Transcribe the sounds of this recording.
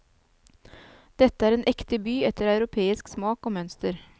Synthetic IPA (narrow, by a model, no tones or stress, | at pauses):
d̪̥ɛt̪əæːɾeːnʔɛkt̪əbyːɛt̪əɾɑʉɾʊpʰeːɪsksmɑːkoːmœnst̪əɾ